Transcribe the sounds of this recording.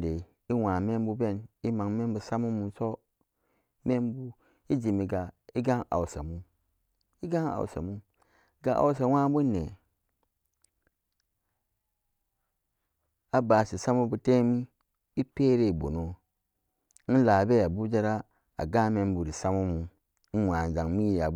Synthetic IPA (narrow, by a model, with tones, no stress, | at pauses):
de˨ | i˦wa˨me˦m˦bu˦be˦˨ni˦ma˨ŋme˦mbu˨sa˦mu˦mu˨so˦ | me˦mbu˦ | i˦d͡ʒi˨mi˨ɡa˨i˦ɡa˦ŋʔa̰˨u˨sa̰˨mu˦ | i˦ɡa˦ŋa̰˨w̰sa̰˨mu˦ | ɡa˨ʔa̰˨ws̬a˨˦wa˦bu˦nḛ˨ | a˨ba˨si˨sa˦mu˦bu˦te˦mi˦ | i˦pe˦ɾe˦˨bo˨no˨˦ | n̩˦la˨be˦ja˨bu˦d͡ʒa˦ɾa˦ | a̰˨ɡa˦me˦mbu˨ɾi˨sa˦mu˦mu˨ | n̩˦wa˨n˨za˨ŋmi˦˨ja˨